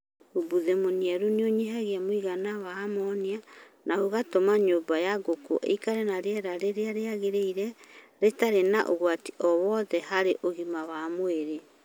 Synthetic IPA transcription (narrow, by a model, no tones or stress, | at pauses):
obuðemoniaɾuneoɲeɦaɣiamoiɣanawaːmɔːnia | naoɣatomaɲoːbajaɡoko̰ʔḛikaɾɛnaɾeɛɾaɾeɾeaɾeaɣeɾeiɾɛ | ɾetaɾenaʔo̰ɣwati̥ʔɔwɔðɛhaɾeʔoɣimawamweɾe